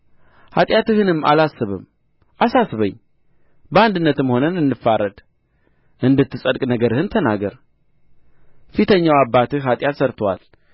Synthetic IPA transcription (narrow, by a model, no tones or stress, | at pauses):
hat̪ʼjat̪ɨhɨnɨmːa̰lasːɨβɨ̰m | ʔasasɨβəɲː | bəand̪ɨnːət̪ɨmho̞nənɨnːɨfːaɾəd̪ | ʔɨnd̪ɨt̪ʰːɨsʼəd̪kʼnəɡəɾɨhɨnt̪ʰənaɡəɾ | fit̪ʰəɲːawabːat̪ɨhɦat̪ʼjat̪səɾt̪ʰəwa̰l